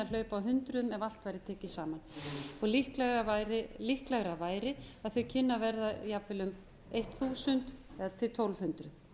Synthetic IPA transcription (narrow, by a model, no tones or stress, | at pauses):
alœːɥpawɦʏnt̪ɾʏmɛval̥t̪vajɾɪt̪ʰɛːcɪsaːmanɔɣlihklɛɣɾavaɾɪlihklɛɣɾavaːjɾɪaðθœɥcʰɪnːavɛɾðaijapvɪlʏm | ejht̪θuːsʏnt̪ɛðat̪ʰɪlt̪ʰowlv̥hʏnt̪ɾʏθ